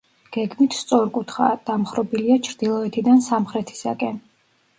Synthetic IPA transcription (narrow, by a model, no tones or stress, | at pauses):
ɡ̥ɛɡmit̪ʰst̪sʼɔɾkʼut̪ʰχa̰d̪̥amχɾɔbiliat͡ʃʰɾd̪ilˠɔɛt̪ʰid̪ansamχɾɛt̪ʰi̥sa̰kʼɛn